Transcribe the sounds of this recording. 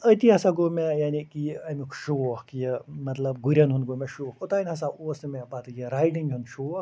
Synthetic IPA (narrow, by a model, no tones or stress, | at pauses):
ət̪iɦɐsaɡomejaːnikiɐmikʰʃukjemɐt̪lɐbɡuɾʲɐnɦunɡoːmeʃukʊt̪ainʲɦɐsaʔoːsmepat̪ʰɨjiɾaːiʈiŋʲɦund̪ʃu